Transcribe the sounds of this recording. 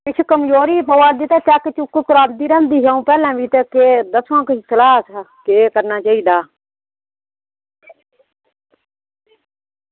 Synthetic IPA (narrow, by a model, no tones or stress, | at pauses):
kɪt͡ʃʰukəmjoːɾiːpəʋaːɾd̪iːt̪aːt͡ʃaːket͡ʃʊkːkʊɾaːnd̪iːɾə̃ːnd̪iːɦãːũːpɛːlãːʋiːt̪əked̪əsʰʋãːkɪisəlaːskeːkəɾnaːt͡ʃaːiːd̪aː